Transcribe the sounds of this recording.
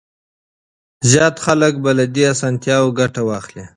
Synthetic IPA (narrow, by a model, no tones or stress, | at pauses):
zjɑt̪xalək̚balad̪iasɑnt̪jɑwoɡaʈawɑxli